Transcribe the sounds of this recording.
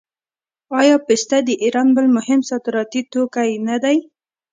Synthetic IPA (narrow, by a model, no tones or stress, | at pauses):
ɑjɑpɪst̪ad̪əʔiɾɑnbəlmʊhɪmsɑd̪ɾɑt̪it̪okajnad̪aj